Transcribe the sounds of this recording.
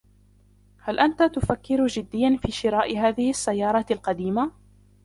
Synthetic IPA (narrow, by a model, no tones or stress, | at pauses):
halʔant̪at̪ʊfakːɪɾd͡ʒɪd̪ːɪjːanfiːʃɪɾɑːʔɦaːðɪhɪʔasːajːɑːɾˤɑt̪alqɑd̪iːma